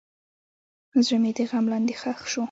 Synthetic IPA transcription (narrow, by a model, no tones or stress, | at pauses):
zɻəmed̪eɣamlɑnd̪exaxʃu